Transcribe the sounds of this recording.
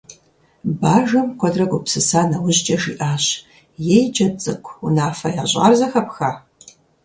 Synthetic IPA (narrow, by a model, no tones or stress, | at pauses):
baːʒɐmkʷʰɔdrɐɡʷʊpsɨsaːnɐwʊʑt͡ʃʼɐʒiːʔaːɕ | jɛjd͡ʒɐt͡sʼɨkʷʰunaːfɐjaːɕʼa̰rzɐxɐpxaː